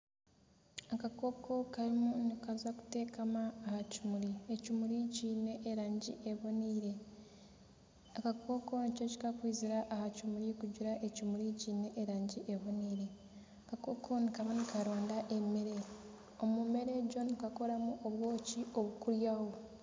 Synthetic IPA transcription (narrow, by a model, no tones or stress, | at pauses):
akako̞ko̞kaɾimunikazaku̥te̞ːkamaːhacimuɾiecumuɾiciːne̞ʔːɾaːɲɟḭʔeβoniːɾe̞ | akako̞ko̞nico̞ci̥kakwiːziɾaʔahacimuɾikuɟuɾaʔe̞cumuɾiciːne̞ʔeɾaːɲɟiʔeβoniːɾe | akakokʰo̞nikaβanikaɾo̞ːndaʔe̞meɾe̞ | o̞mume̞ɾe̞ɟo̞nikako̞ɾamuoβwo̞ːcio̞βukuɾjaho̞